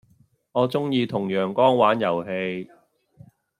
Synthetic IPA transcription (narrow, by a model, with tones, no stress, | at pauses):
ŋɔː˨˧t͡sʊ˥ŋjiː˧t̪ʰʊ˨˩ŋjœː˨˩ŋkɔː˥ŋwaː˨˥njɐ˨˩wɦe˧j